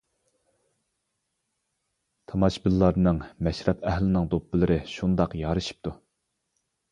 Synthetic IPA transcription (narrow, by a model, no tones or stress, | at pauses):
t̪ʰɑmɑʃbɪlːɑɾnɨŋmɛʃɾɛpɛhlɪnɨŋd̪opːɨlˠɨɾɪʃund̪ɑqjɑːɾɨʃi̥p̚t̪ʰu